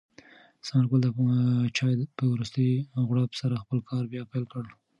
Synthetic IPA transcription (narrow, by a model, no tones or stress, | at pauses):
samaɾɡold̪ət͡ʃɑjpəwɾust̪əjɣwɽapsaɾaxpəlkʰɑɾbjɑpajlkəɽ